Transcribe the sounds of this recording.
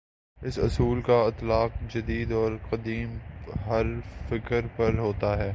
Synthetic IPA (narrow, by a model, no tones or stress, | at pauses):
ɪsʊ̰suːlkaɪt̪laːq̚d͡ʒɐd̪iːd̪ɔːɾqɐd̪iːmɦɐɾfɪkəɾpɐɾɦoːt̪aɦɛː